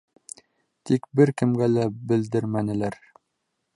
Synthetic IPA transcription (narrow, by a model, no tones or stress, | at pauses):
t̪ikbɘɾkɘ̆mɡælæbɘ̆ld̪ɘɾmænɘ̆læɾ